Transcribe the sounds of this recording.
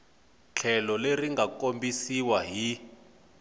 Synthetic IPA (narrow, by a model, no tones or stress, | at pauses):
t͡ɬʰɛlɔleriŋɡakombisiwaɦi